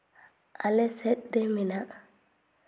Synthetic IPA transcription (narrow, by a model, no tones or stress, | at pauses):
ʔalɛsɛɗːɛmina